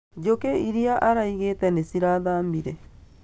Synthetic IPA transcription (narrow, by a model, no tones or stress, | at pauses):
d͡ʒokeiɾiaʔaɾaiɣetɛnesiɾaðaːmbiɾɛ